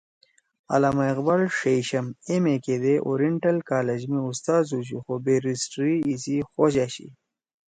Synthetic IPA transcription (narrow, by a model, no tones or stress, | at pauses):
a̰laːmaeqbalʂejɕɐmemeked̪eʔo̰ɾiɳʈɐlkaːled͡ʑmiust̪aːzut͡ɕuxobeɾisʈɾiːsixoɕaɕḭ